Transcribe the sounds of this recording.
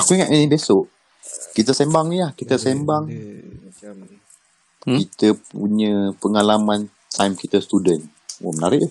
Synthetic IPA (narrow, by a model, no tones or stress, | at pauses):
akuiŋaʔinibesoʔ | kit̪əsembaŋniahkit̪əsembaŋ | kit̪əpuɲə̃pəŋalamãn | t̪ʰajmkit̪əst̪udən | o̰mənaɾɪʔ